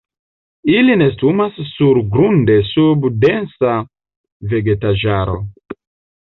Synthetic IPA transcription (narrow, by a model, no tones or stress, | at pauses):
iline̞stumasːuɾɡɾunde̞subde̞nsa | ve̞ɡe̞taʒaɾo̞̰